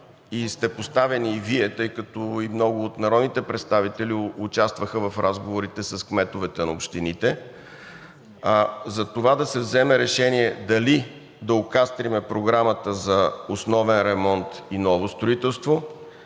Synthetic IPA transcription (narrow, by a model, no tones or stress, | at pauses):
ist̪ɛpost̪avɛniːviɛt̪ɤjkət̪ɔimnɔɡʊːt̪nɐɾɔd̪nit̪ɛpɾɛt̪st̪avit̪ɛliʊt͡ʃast̪vəxəvɐfɾʔazɡovoɾit̪ɛsɐskmɛt̪ʊvɛt̪ɛnɐopʃt̪init̪ɛ | zɐt̪ovad̪ɐsɛvzɛmɛɾɛʃɛniɛd̪ɐli | d̪ɐokast̪ɾimɛpɾoɡɾamət̪əzɐosnɔvɛnɾɛmɔnt̪inɔvost̪ɾʊit̪ɛlˠst̪vo